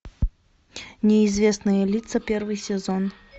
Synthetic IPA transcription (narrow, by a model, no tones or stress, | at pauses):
nʲɪɪzʲvʲesnɨjɛlʲit̪sɐpʲervɨjsʲɪzon